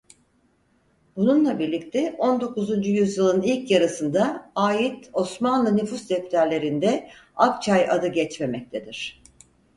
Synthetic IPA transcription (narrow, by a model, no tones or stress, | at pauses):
bununlˠabiɾlʲic̚t̪ʰɛʔo̞nd̪o̞kuzund͡ʒujyzjɯlˠɯnilʲcjaɾɯsɯnd̪aaːjit̪o̞smanlˠɯnyfusd̪ɛpt̪ʰæɾlʲe̞ɾind̪ɛakt͡ʃʰajʔad̪ɯɟɛt͡ʃme̞mɛc̚t̪ʰed̪iɾ̝̥